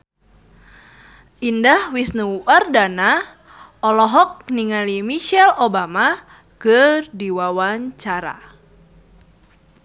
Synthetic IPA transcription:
ʔindahwisnuʔardana | ʔɔlɔɦɔk̚niŋalimiʃɛlobama | kədiwawaɲt͡ʃaɾa̰

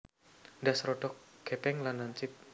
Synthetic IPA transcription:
ndasɾɔɖɔk̚ɡ̥epɛŋlanːaɲt͡ʃɪp̚

